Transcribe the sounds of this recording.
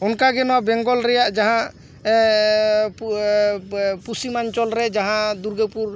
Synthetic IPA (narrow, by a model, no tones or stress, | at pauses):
ɔnkaɡɛnɔwabɛŋɡɔlɾɛjaʔd͡ʒaɦãʔ | pusimaɲt͡ʃɔlɾɛd͡ʒaɦãd̪uɾɡɛpuɾ